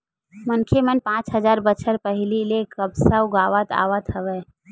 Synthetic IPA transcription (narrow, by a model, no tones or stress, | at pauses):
mənkʰemənpãːt͡ʃɦəzaːɾbət͡ʃʰəɾpəɦɪlilekəbsəwɡaːʋət̪a̰ːʋət̪ɦəʋɛː